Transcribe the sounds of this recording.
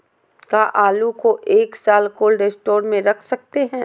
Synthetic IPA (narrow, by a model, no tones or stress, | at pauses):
kaʔaːlukoʔeːksaːlkoːlɖesʈoːɾmẽɾɐkʰsɐk̚t̪eɦɛ̃ː